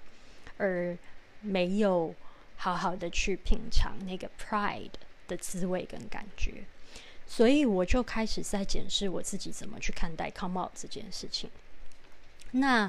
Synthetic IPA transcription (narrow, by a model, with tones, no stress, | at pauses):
ə˞˧˥me˧˥ɪjo˨˩˦ʊxɑ˧˥ʊxɑ˨˩ʊd̪ə˦t͡ɕʰy˥˩pʰi˨˩ŋʈ͡ʂʰɑ̰˧˥ŋna˥˩ɪɡə˩pʰɹa˥˩ɪdd̪̥ə˨t͡sɹ̩˥we˥˩ɪkə˦nka̰˨˩nt͡ɕɥɛ̰˧˥ | swɔ˧˥i˨˩wɔ˨˩t͡ɕjo˥˩ʊkʰa˥ɪʂɻ̩˨˩t͡sa˥˩ɪt͡ɕjɛ˨˩nʂɻ̩˥˩wɔ˨˩t͡sɹ̩˥˩t͡ɕi˨˥t͡sə˨˩nmə̰˦t͡ɕʰy˥˩kʰa˥˧nt̪a̰˥˩ɪkʰɑ˥ʊmɑ̰˥˧˩ʊʈ͡ʂɤ˥˧t͡ɕjɛ̰˥˧nʂɻ̩˥˩t͡ɕʰi˨˩ŋ | na˥˩